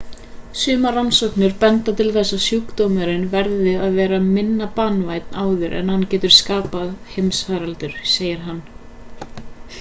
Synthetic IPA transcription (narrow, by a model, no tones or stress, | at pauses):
sʏːmaransɔwknʏɾpɛnt̪at̪ʰɪlθɛsːasjukt̪owmʏɾɪnvɛɾðɪaðvɛːɾamɪnːapanvaːjt̪naːwðʏɾʔɛ̰nhanːcɛːt̪ʏɾ̥skaːpaðhejmsfaɾalt̪ʏɾ̥seːjɪɾ̥ɦanː